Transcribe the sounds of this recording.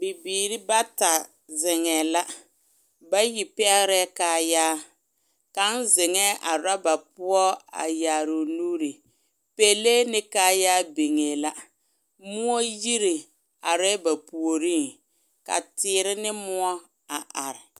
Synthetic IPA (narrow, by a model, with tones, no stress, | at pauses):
bi˨biː˨ɾi˦ba˦ta˨ | zɪ˨ŋɛː˨la˦ | ba˦ji˨pɛ˦ɣɾɛ˦kaː˨jaː˦ | ka˨˦nzɪ˨ŋɛ˦ʔa˨ɾa˦ba˨p̚ʊ˦ɔ˦a̰˨jaː˨ɾo˨nuː˦ɾi˨ | pe˦leː˦nɪ˦kaː˦jaː˦be˨ŋɛː˨la˦ | mʊ˦ɔ˦ji˦ɾi˨ | a˨ɾɛ˦ba˨pu˨o˨ɾiː˦˨ŋ | ka̰˨tɪː˨˦ɾɪ˦nɪ˦mʊ˦ɔ˦ | a˨ʔa˨ɾɪ˨